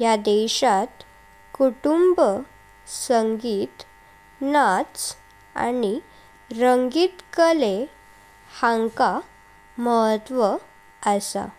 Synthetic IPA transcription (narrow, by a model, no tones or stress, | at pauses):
jad̪eɕat̪ | kuʈumbə | səŋɡiːt̪ | nat͡s | a̰ni | ɾəŋɡiːt̪kəle | hãŋka | məɦət̪ʋə | əsa̰